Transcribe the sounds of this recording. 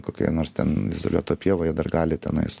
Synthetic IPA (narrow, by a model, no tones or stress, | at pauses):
koːkʲo̰noːɾst̪ʲɛnɪzo̰ːlʲṵɔt̪oːpʲiɛʋoːjiɛd̪ɐrɡɑːlʲɪt̪ʲɛnɐɪs